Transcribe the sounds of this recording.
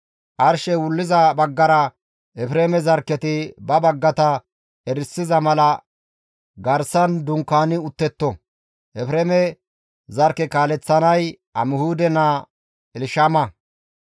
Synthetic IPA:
ʔɐɾʃɛwʊlːɪzɐbɐɡːɐɾɐ | ʔɛfɾeːmɛzɐɾkːɛt̪ɪbɐbɐɡːɐt̪ɐ | ɛɾɪsːɪzɐmɐlɐ | ɡɐɾsɐnd̪ʊŋkːaːnɪʊt̪ːɛt̪ːɔ | ʔɛfɾeːmɛ | zɐɾkːɛkaːlɛt͡sːɐnɐj | ɐmɪhuːd̪ɛna | ɛlɪʃaːmɐ

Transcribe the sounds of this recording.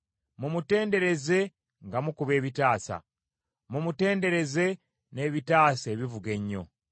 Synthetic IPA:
mumute̞ːnde̞ɾe̞ze̞ | ŋɡamukuβe̞ːβitaːsa̰ | mumute̞ːnde̞ɾe̞ze̞ | ne̞βitaːse̞ːβivuɡe̞ɲːo̞̰

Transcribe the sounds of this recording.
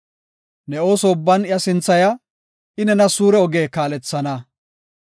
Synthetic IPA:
nɛo̞ːsoʊbːɐnɪjɐsɪnt͡sːɐjɐ | ɪnɛnɐsuːɾɛɔɡeːkaːlɛt͡sːɐnɐ

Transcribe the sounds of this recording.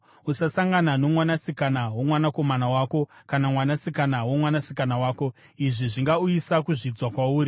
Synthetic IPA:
usasaŋɡanano̞mwanasikanawomwanako̞manawaːko̞kanamwanasikanawomwanasi̥kanawaːko̞ | iʐiʐiŋɡauisakuʐid͡zwakwauːri

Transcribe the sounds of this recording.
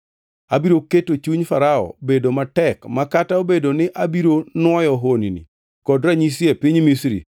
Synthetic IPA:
abiɾoketot͡ʃuɲfaɾaɔ̰bedomatɛkmakataobedonɪʔabiɾonwɔjɔɦoninḭ | kɔdɾaɲisjepiɲmisɾḭ

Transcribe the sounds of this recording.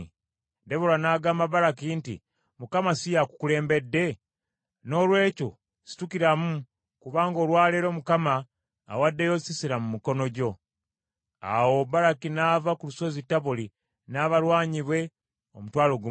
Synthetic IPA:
de̞βolanaːɡaːmbaβaɾakintḭ | mukamasijaku̥kule̞ːmbe̞dːe̞ | no̞ːlwe̞ːco̞̰ | si̥tukiɾamu | kuβaːŋɡo̞ːɾwaːleɾo̞mukama̰ː | wadːejo̞sisiɾamumiko̞no̞ɟo̞ | a̰wo̞βaɾakinaːvakuluso̞zitːaβuli | naβaɾwaːɲiβwe̞ | omutwaːlo̞ɡ

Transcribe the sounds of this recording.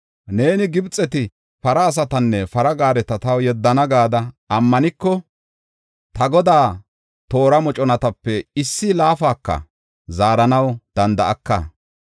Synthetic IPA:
ne̞ːnɪɡɪbt͡sʼːɛt̪ɪ | fɐɾɐːs̬ɐt̪ɐnːɛfɐɾɐɡaːɾɛt̪ɐt̪ɐwjɛd̪ːɐnɐɡaːd̪ɐː | mːɐnɪkːɔ | t̪ɐɡɔd̪aː | t̪o̞ːɾɐmɔt͡ʃʼɔnɐt̪ɐpːɛɪsːɪlaːfaːkːɐ̰ | zaːɾɐnɐwd̪̥ɐnd̪ɐ̰ʔɐkːɐ̰

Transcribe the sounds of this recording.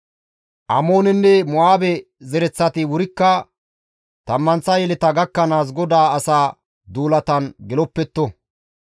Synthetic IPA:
ʔɐ̰mo̞ːnɛnːɛmɔaːbɛ | zɛɾɛt͡sːɐt̪ɪwʊɾɪkːɐ | t̪ɐmːɐnt͡sːɐjɛlɛt̪ɐɡɐkːɐnaːs̬ɡɔd̪aːɐsaː | d̪uːlɐt̪ɐnɡɛlɔpːɛt̪ːɔ

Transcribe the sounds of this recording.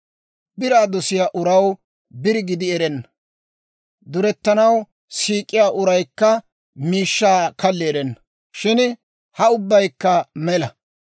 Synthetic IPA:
bɪɾaːd̪ɔsɪjaːʔʊɾɐw | bɪɾɪɡɪd̪ɪɛɾɛnːɐ | d̪ʊɾɛt̪ːɐnɐw | siːkʼːɪjaːʔʊɾɐjkːɐ | miːʃːaːkɐlːɪɛɾɛnːɐ | ʃɪn | hɐʊbːɐjkːɐmɛlɐ

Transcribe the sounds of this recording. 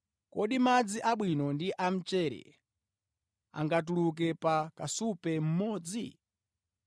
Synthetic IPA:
kɔɗimad͡ziʔaɓwinɔndiʔam̩t͡ʃɛɾɛ̰ | a̰ŋɡatuluk̬ɛpakasupɛm̩mɔːd͡zi

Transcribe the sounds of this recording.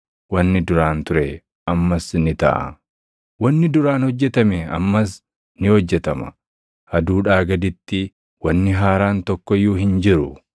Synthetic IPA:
wɐnːɪd̪ʊɾaːnt̪ʊɾɛ | ʔɐmːɐsnɪt̪ɐ̰ʔɐ̰ | wɐnːɪd̪ʊɾaːnhɔd͡ʒːɛt̪ɐmɛɐ̰mːɐs̬ | nɪhɔd͡ʒːɛt̪ɐmɐ̰ | ʔɐd̪uːᶑaːɡɐd̪ɪt̪ːɪ | wɐnːɪɦaːɾaːnt̪ɔkːɔjːuːɦɪnd͡ʒɪɾʊ

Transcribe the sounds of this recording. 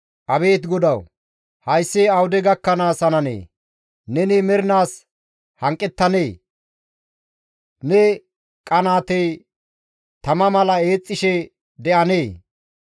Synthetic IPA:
ʔɐbe̞ːt̪ɡɔd̪ɐw | hɐjsːeːɐwʊd̪ɛɡɐkːɐnaːsɐnɐnḛː | nɛnimɛɾnaːs | hɐŋkʼːɛt̪ːɐneː | nɛ | kʼɐnaːt̪ej | t̪ɐmɐmɐlɐe̞ːt͡sʼːɪʃɛ | d̪ɛʔɐneː

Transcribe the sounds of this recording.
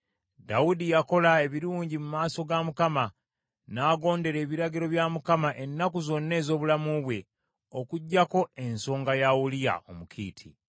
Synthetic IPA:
daudijako̞lae̞βiɾuːɲɟimumaːso̞ɡamukama | naːɡo̞ːnde̞ɾe̞ːβiɾaɡiɾo̞βjamukamaʔe̞nːakuzo̞nːe̞ːzo̞ːβulamuβwe̞ | o̞kuɟːako̞e̞nso̞ːŋɡajawulija̰o̞̰mukʰḭːtʰḭ

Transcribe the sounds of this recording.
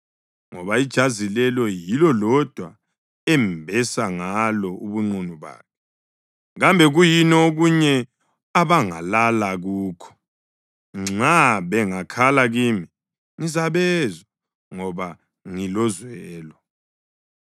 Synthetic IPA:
ŋɔβaid̥ʒ̥ʱazilɛlɔjilɔlɔd̥ʱwa | ɛmbʱɛsaŋalɔuβuŋ͡ǀunuβa̰ːkʰɛ | ɣambʱɛɣujinɔoɣuɲɛ | aβaŋa̰lalaɣuːkʰɔ̥ | ŋ͡ǁaβɛŋakʰalaɣimi | ŋizaβɛzɔ | ŋɔβa | ŋilɔzwɛːlɔ

